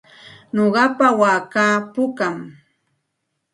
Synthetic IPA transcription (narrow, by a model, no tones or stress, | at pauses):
ɲoɢɑpawaːkaːpʊkam